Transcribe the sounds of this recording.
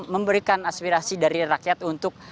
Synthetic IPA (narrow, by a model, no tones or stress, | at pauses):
məmbəɾikanaspiɾasidaɾiɾakjat̪unt̪ʊk̚